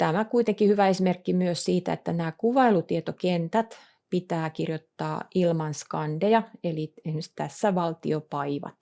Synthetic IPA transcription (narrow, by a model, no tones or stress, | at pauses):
t̪æmækuit̪eŋkihyʋæesimerkːimyøssiːt̪æ̰ḛt̪ːænæːkuʋɑilut̪iet̪okent̪æt̪ | pit̪æːkirjot̪ːɑ̰ːʔilmɑnskɑndejɑelienst̪æsːæʋɑlt̪ḭopɑiʋɑ̰t̪